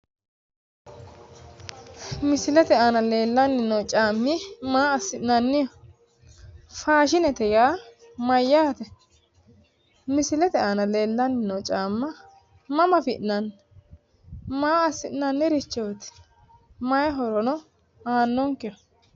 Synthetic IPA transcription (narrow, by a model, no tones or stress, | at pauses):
mɪsɪlɛt̪ɛaːnɐleːlːɐnːɪnɔwt͡ʃʼaːmːɪmaːɐsːɪʔnɐnːɪjɐ | faːʃɪnɛt̪ɛjaː | mɐjːaːt̪ɛ | mɪsɪlɛt̪ɛaːnɐle̞ːlːɐnːɪnɔt͡ʃʼaːmːɐ | mɐmɐfɪʔnɐnː | maːɐsːɪʔnɐnːɪɾɪt͡ʃːɛwɔt̪ɛ̥ | mɐjɐɦɔɾɔnɔ | aːnːɔŋkːɪjɐ